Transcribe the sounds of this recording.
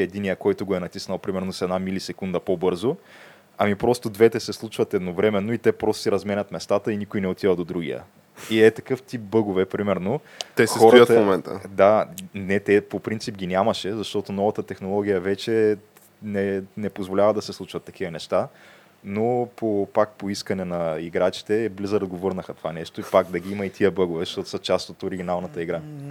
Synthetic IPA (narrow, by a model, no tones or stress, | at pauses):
ɛd̪inijəkɔjt̪ʊɡoɛnɐt̪isnɐlˠpɾimɛɾnosɛd̪namilisɛkund̪ɐpobɤɾzo | ɐmipɾɔst̪od̪vɛt̪ɛsɛslˠut͡ʃvɐt̪ɛd̪novɾɛmɛnːoit̪ɛpɾɔst̪o̥siɾɐzmɛnʲɐt̪mɛst̪at̪əinikojnɛot̪ivəd̪od̪ɾuɡʲḭjə̰ | iɛt̪ɐkɤft̪ip̚bɤɡovɛpɾimɛɾnot̪ɛssxɔɾət̪momɛnt̪ə̰d̪anɛt̪ɛpopɾint̪sipɡʲinʲamɐʃɛzɐʃt̪ɔt̪onɔvɐt̪ət̪ɛxnolˠɔɡ̟ʲijəvɛt͡ʃɛ | nɛnɛpozvolʲavəd̪ɐsɛslˠut͡ʃvɐt̪ːɐk̟ivənɛʃt̪a | nopopak̚poiskɐnɛnɐiɡɾat͡ʃi̥t̪ɛblizəɾɐd̪ɡovɤɾnəxɐt̪ovanɛʃt̪oipakd̪ɐɡʲiimɐit̪ʰiəbɤɡovɛzʃt̪ɔt̪ʊ̥sɐt͡ʃast̪ot̪oɾiɡʲinalˠnɐt̪əiɡɾa